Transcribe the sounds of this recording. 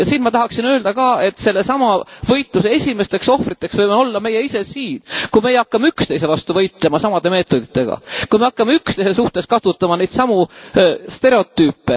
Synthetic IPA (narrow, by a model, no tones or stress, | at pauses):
jɑsiːnmɑt̪ɑɦɑksinø̞ːld̪̥ɑkɑːe̞t̪ːˑse̞lːe̞sɑmɑvɤ̞jt̪ˑluse̞e̞sʲime̞st̪e̞kso̞hfrit̪ːˑe̞ksvɤjmeo̞lːɑme̞je̞ise̞siːnkumejɑkːɑmeykst̪ejse̞vɑst̪uvɤ̞jt̪ːˑle̞mɑsɑmɑd̪̥e̞me̞ːt̪ːˑo̞d̪̥it̪ːˑe̞ɡ̥ɑ̰kujme̞ɑkːˑɑmeykst̪ejse̞suht̪eskɑt̪ut̪ːˑɑmɑnejd̪̥sɑmu | st̪e̞ɾe̞o̞t̪ːˑyːpːe̞